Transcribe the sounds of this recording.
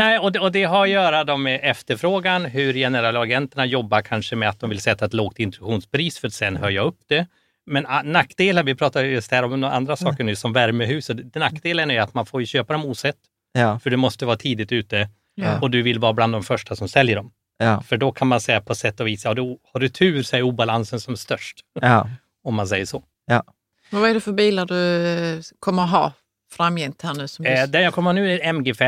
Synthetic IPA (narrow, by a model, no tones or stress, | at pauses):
nɛːɪɔd̪ɔd̪ɛɦaɾɔjœːɾad̪ɔmːɛʔɛft̪əɾfɾoːɡanɦɵɾjɛnəɾɛlaɡɛnt̪əɳajɔbːaɾkʰanʂəmɛat̪̚d̪ɔmvɪlsɛt̪ːaɛt̪loːɡ̚t̪ɪnt̪ɾɧuːnspɾiːsfœɾat̪sɛnːhœɾjaɵpːd̪̥ɛ | mɛnanakːd̪eːlanvɪpʰɾɑːt̪aɾjɵst̪hæːɾɔmna̰nd̪ɾasɑːkəɳʉ̟ːsɔmvæɾməɦʉ̟ːsət̪nakːd̪eːlənæɾjat̪manfoːɾjɵɕøːpad̪ɔmuːsɛt̪ː | fœɖɛmɔst̪əvɑːt̪ʰiːd̪ɪt̪ʉ̟ːt̪ə | ɔd̪ɵvɪlvɑːbland̪ɔmfœʂʈasɔmsɛljəɖɔm | fœɖɔkʰanmansɛjːapʰɔsɛt̪ːɔviːsaɑːd̪ɔhaɖɵt̪ʰʉ̟ːɾsɔɛɾuːbalansənsɔmst̪œʂʈ | ɔmːansɛjːəʂɔː | vaɛɖɛfœɾbiːlaɖɵ | kʰɔmːəɾɦɑ̰ː | fɾamjɛnt̪hænʉːsɔmd̪ɛnjakʰɔmːənʉ̟ːɛmɡefɛ